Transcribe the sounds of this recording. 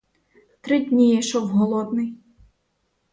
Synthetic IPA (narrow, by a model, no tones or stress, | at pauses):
t̪ɾɪdʲnʲijɛʃɔwɦɔlˠɔd̪nɪj